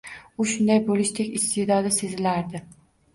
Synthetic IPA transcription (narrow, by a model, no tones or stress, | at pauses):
ʊʃʊnd̪ajbolˠɪʃt̪ʰekʲɪst̪ʰɪd̪ɒd̪ɪse̞zɪlaɾd̪ɪ